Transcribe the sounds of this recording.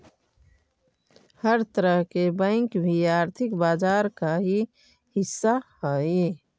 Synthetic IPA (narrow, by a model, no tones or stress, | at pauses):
həɾt̪əɾəɦkebə̃ɪ̃ŋkbʱiaːɾt̪ʰɪkbaːd͡ʒaːɾkaɦi | hɪsːahəi